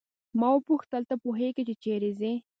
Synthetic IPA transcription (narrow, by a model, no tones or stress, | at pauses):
mɑwəpuxt̪əlt̪apuɦeɡit͡ʃet͡ʃeɾezi